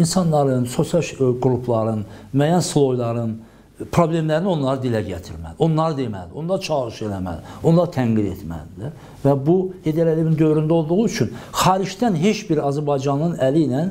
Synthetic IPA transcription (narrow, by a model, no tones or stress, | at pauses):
insɑnːˠɑɾɯnso̞sijɑɡɾupʰlˠɑɾɯnmæːjænslˠo̞jlˠɑɾɯn | pʰɾo̞blʲe̞mlæɾinio̞nlˠɑɾɯd̪ilæɟæt̪ʰiɾmæ̰lio̞nlˠɑɾɯd̪emæ̰ld̪iond̪ɑt͡ʃʰɑɣɾɯʃelæmæ̰lio̞nlˠɑɾt̪ʰæŋɡid̪ḛt̪mæ̰ld̪ilæɾ | væbuhed̪eɾelevind̪ø̞vɾynd̪æo̞lˠd̪uɣuyt͡ʃʰynxɑːɾiʃd̪ænɦet͡ʃbiɾɑzæɾbɑjd͡ʒɑnɯnælinæn